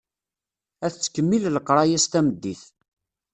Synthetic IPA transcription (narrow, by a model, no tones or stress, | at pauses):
æθt͡sːə̥kːəmːilləqːɾˤɑjæst̪æməd̪ːiθ